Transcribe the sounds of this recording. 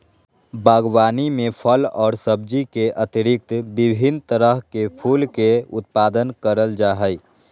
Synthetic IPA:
baːɡwaːnimẽpʰəlɔːɾsəb̚d͡ʒikeʔət̪iɾɪk̚t̪bɪbʱint̪əɾəɦkepʰuːlkeʊ̰t̪̚paːd̪ənkəɾəld͡ʒaːɦəj

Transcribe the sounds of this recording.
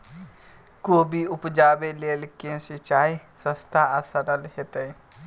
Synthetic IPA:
koːbʱiʊpd͡ʒaːbeleːlkẽsit͡ʃaːi | sə̃st̪ʰaasəɾəlhet̪e

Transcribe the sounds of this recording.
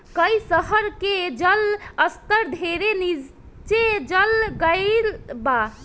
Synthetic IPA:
kəjsəɦəɾked͡ʒələst̪əɾd̪ʱeɾenid͡ʒ | t͡ʃed͡ʒəlɡəɪlba

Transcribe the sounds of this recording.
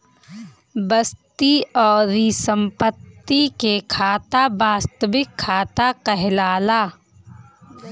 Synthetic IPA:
bəst̪iɔːɾisə̃mpət̪ːikekʰaːt̪abaːst̪əʋɪkʰːaːt̪akəɦɪlaːlaː

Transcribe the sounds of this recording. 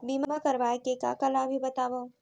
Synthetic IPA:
biːmamakɐɾʋaːkeka̰kɐlabʱibɐt̪aːʋoː

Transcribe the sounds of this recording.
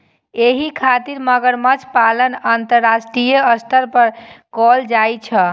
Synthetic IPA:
eɦikʰat̪iɾməɡəɾmət͡ʃʰpalənant̪əɾːasʈɾijəəst̪ʰəɾpəɾkɔld͡ʒajt͡ʃʰə

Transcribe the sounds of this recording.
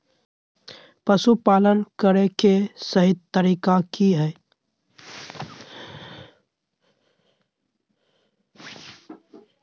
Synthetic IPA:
pəsupaːlənkəɾekesəɦɪd̪t̪əɾiːkakiɦɛː

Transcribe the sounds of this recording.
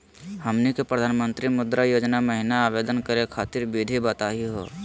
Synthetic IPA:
həmnikepɾəd̪ʱaːnmə̃nt̪ɾimʊd̪ɾajoːd͡ʒnaməɦɪnaːʋeːd̪ənkəɾekʰaːt̪ɪɾbid̪ʱibət̪aːɦiɦo̰ː

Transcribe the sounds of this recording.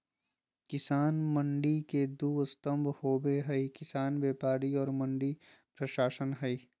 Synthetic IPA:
kɪsaːnmɐ̃ɳɖiked̪uːst̪əmbʱhoːbeɦɐikɪsaːnbeːpaːɽiɔːɾmɐ̃ɳɖi | pɾɐʃaːʃənɦɐi

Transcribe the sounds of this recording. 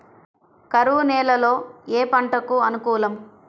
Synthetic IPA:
kɐɾuːnɛːlɐlo̞ːeːpɐɳʈɐkuɐnukuːlɐm

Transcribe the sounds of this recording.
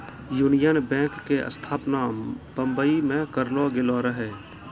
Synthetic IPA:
juːnɪjənbɛ̃ːkːeʔə̰st̪ʰaːpnabə̃mbəimẽkəɾloɡɪloɾəɦeː

